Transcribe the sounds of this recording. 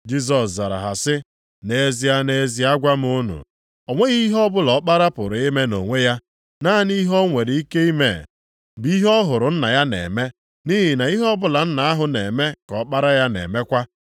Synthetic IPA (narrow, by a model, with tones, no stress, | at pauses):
d͡ʒi˦s̬ɔ˨sza˨ɾa̰˨ɦa˨sɪ˦ | ne˨˦zi˨a˦ne˨zi˦a˦ɡʷa˦m˦ʊ˦nṵ˨ | o˨ŋʷe˦ɣi˦ɦɔ˦bʊ˦lɔ˨˦k͡pa˦ɾa˦pʊ˨ɾʊ˨e˦me˦no̰˨ŋʷe˦ja˦ | na˦ni˦ɦɔ˦ŋʷe˨ɾɪ˨i˦ke˦i˦mḛ˦˨ | bi˦ɦɔ˦ɦʊ˨ɾʊ˨n̩˦na˨ja˦nḛ˨me˦ | ni˦ɦi˨na˨i˦ɦɔ˦bʊ˦la˨n̩˦na˨a˦ɦʊ˨ne˨me˦kɔ˨˦k͡pa˦ɾa˦ja˦nḛ˨me˦kʷa˦